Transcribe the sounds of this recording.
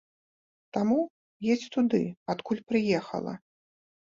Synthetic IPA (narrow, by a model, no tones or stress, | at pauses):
t̪amu | jesʲt͡sʲt̪ud̪ɨ̰at̪kulʲpɾɨjɛxɐ̰lˠɐ̰